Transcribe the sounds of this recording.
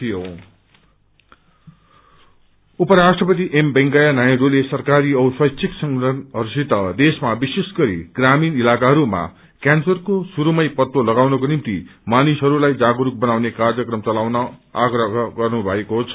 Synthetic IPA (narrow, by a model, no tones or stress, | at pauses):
t̪ʰijo | upʌɾasʈrʌpʌt̪̬iʔembeŋɡajanajʌ̃ɾulesʌrkaɾiʌswʌjt͡sʰiksʌŋɡɾʌnʌɾsit̪ʌd̪esmabisesɡʌɾḭɡraminilakaɦʌɾuma̰ | kansʌrkosuɾumʌjpʌt̪wolʌɡawnʌkonimt̪ḭmanisɦʌɾulajd͡zaɡoɾuk̚bʌnawnekard͡zʌkrʌmt͡sʌlawnʌaɡrʌɦɦʌɡʌrnubʱʌekoɦt͡sʰʌ